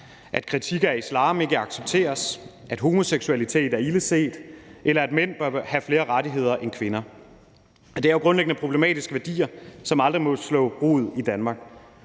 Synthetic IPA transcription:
ʔæd̥̚kʰʁit͡sʰiɡ̥ɐæɐislɑ̈ːm̩e̝ɡ̥æɑ̈ɡ̥seb̥̚t͡sʰe̝̰ːɐs | ʔæd̥ɦo̝mo̝seɡ̥suælit͡sʰe̝̰ːd̥æɐiləse̝̰ːd̥ʔelɐæd̥men̰b̥ɶɐhæfle̝ːɐʁɑdiɦe̝ð̞̰ˠɐʔenkʰʋe̝nɐ | ɒd̥e̝æoɡ̥ʁɔ̽nleɡ̥ənəpʰʁo̝b̥lemɛ̰ːd̥isɡ̥əʋæɐd̥ḭːɐsɒ̽mɑ̈ld̥ʁimɒ̽slɔ̰̥̽ːʁo̰ːð̞̩ˠid̥ænmɑ̈ɡ̥̚

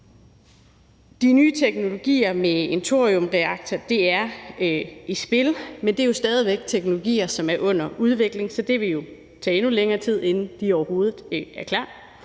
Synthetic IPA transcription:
d̥inyːt͡sʰeɡ̥no̝lo̝ɡ̥ḭːɐmeent͡sʰo̝ɐʁiɔ̽mʁɛɑ̈ɡ̥̚t͡sʰɐd̥eæɐ | isb̥e̝lmend̥e̝ɐjo̝sd̥ɛːð̞ˠiʋeɡ̥̚t͡sʰeɡ̥no̝lo̝ɡ̥ḭːɐsɒ̽mæɐʔɔ̽n̰ɐuð̞ˠʋe̝ɡ̥le̝ŋsɒ̽d̥e̝ʋe̝jo̝ | t͡sʰɛ̰ːe̝nuleŋɐːt͡sʰið̰ˠe̝nn̩d̥iɒʊɐho̝ːð̞ˠð̩ˠæɐkʰlɑ̰̥̈ː

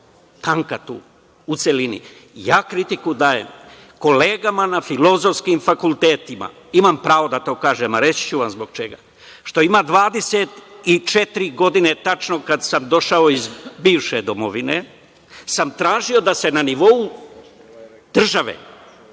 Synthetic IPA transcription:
t̪aŋkat̪ṵː | ut̪se̞linḭ | jaːkɾit̪ikud̪aːjḛm | ko̞le̞ːɡamanafilo̞zo̞fskimfakult̪eːt̪ima̰ | imampɾaːʋo̞d̪at̪o̞ːkaːʒemaɾe̞t͡ɕt͡ɕuʋamzbo̞ɡ̚t͡ʃe̞ɡa̰ | ʃt̪o̞imad̪ʋaːd̪e̞set̪it͡ʃet̪ɾiɡo̞d̪ine̞t̪at͡ʃno̞kad̪samd̪o̞ʃaoizbiːʋʃed̪omoʋine | samt̪ɾaːʒio̞d̪ase̞naniʋo̞u | d̪r̩ʒaʋḛ

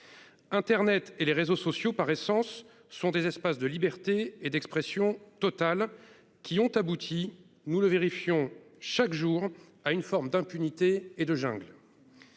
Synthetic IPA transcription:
ɛ̃t̪ɛʁnɛt̪eleʁezosɔsjopaʁesɑ̃sː | ɔ̃d̪ezɛspasd̪əlibɛʁt̪eːd̪ɛkspχesjɔ̃t̪ɔt̪al | kʲiɔ̃t̪abut̪ʰi | nuləveʁifjɔ̃ʃakʒuʁ | aynfɔʁmd̪ɛ̃pynit̪eːd̪əʒɛ̃ɡl

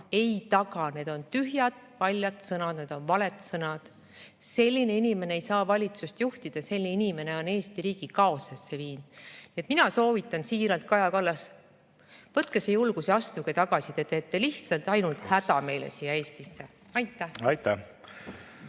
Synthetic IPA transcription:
e̞jt̪ɑɡ̥ɑne̞d̪o̞nt̪yɦjɑd̪̥ | pɑlʲjɑt̪sɤnɑd̪̥ne̞d̪̥o̞nvɑle̞t̪sɤnɑd̪̥ | se̞lʲːine̞inime̞ne̞ejsɑːvɑlʲit̪sust̪juht̪id̪̥ɑse̞lʲːneinime̞ne̞o̞ne̞ːst̪iɾiːɡ̥ikɑo̞sesːeviːnd̪̥niet̪minɑso̞ːvit̪ːˑɑnsiːɾɑnt̪̚kɑjɑkɑlːɑs | vɤt̪̚ˑkesejulɡ̥usiɑst̪uɡet̪ɑɡ̥ɑsid̪et̪ːˑet̪ːeliht̪sɑlt̪ɑjnult̪hæd̪̥ɑme̞jlḛsijːɑe̞ːst̪isːe̞ | ɑjt̪ːˑæhɑjt̪ːæ

